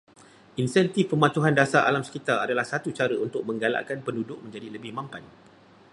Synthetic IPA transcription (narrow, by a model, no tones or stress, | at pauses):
ʔinsɛnt̪ifpəmãt̪uɦandasaʔa̰lamsə̥kit̪aadalahsat̪ut͡ʃaɾəunt̪ʊk̚mə̃ŋɡala̰ʔkanpəndudʊk̚mə̃ɲd͡ʒadiləbɪhmãmpan